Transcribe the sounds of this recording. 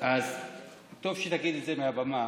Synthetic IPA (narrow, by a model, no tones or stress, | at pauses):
az | t̪ovʃet̪aɡid̪etzemeabama